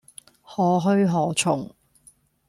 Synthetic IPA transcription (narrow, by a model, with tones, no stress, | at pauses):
hɔː˨˥ɦɵ˥ɥɦɔː˨˧˥t͡ʃʰʊ˨˩ŋ